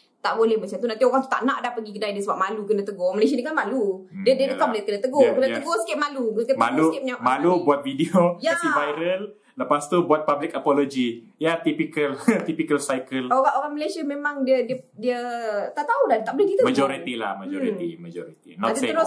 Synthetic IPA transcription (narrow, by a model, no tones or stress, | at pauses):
t̪aʔbolɛhmət͡ʃamt̪unant̪ioɣaŋt̪u̥t̪aʔnaʔdahpəɡikədajdiəsəbap̚malukənət̪əɡoməles̬ianikanmaludiədiəəkɔmbəlet̪kənət̪əɡɔkənət̪əɡosə̥kɪp̚malukəmalukɛp̚ɲamalubuat̪̚vidiojaivajɾəl | ləpast̪ubuat̪̚pablɪkapɔlod͡ʒi | jat̪ipikəlt̪ipikəlsajkəloɣaʔoɣaŋməlesiamemaŋdiədiədiət̪aʔt̪auladt̪aʔboleɡit̪əmaɔɾit̪ila̰hmad͡ʒoɾit̪ḭmad͡ʒɔ̰ɾit̪inaãnt̪iəɾo